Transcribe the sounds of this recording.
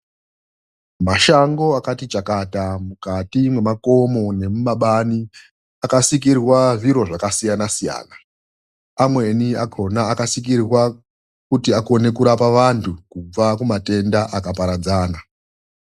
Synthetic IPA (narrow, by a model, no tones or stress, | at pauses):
maʃaŋɡo̞akatit͡ʃakatamukatimwe̞mako̞mo̞ne̞mumaɓani | akasik̬irwaʐiɾo̞ʐakasijanasija̰ːna | amwe̞nia̰kʰo̞naːkasik̬irwa | kutiako̞ne̞kuɾapaʋantʰukub͡vakumate̞ndaʔakapaɾad͡zaːna